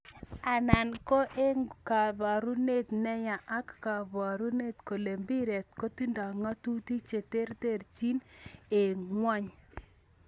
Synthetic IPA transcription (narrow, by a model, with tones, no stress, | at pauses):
a˨na˨nko˦ʔe˦ŋka˨ða˨ɾu˦ne˦˨tnɛ˦ja˨ʔa˦kːa˨βa˨ɾu˦ne˦˨tko˨le˨mbi˦ɾe˨t̚ko˦ti˦nda˨ŋɔ˦tu˦ti˦t͡ʃe˨te˦ɾte˦˨rt͡ʃi˦ne˨ŋwa˦ɲ